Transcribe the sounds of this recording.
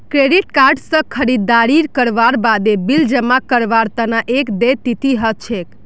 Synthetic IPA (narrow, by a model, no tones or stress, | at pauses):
kɾeɖiʈkaɾɖsə̃kʰəɾid̪ːaɾiɾkəɾʋaɾbad̪ebild͡ʒəmakəɾʋaɾt̪ənaʔekd̪et̪it̪iɦət͡ʃʰek